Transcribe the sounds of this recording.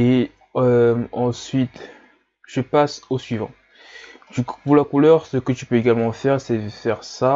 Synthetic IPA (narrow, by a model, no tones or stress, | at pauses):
e | ømɑ̃sɥit̪ | ʒ̥əpasosɥivɑ̰̃ | d̪ykpuʁlakulœʁsəkət̪ypøeɡalmɑ̃fɛʁsɛəfɛʁsa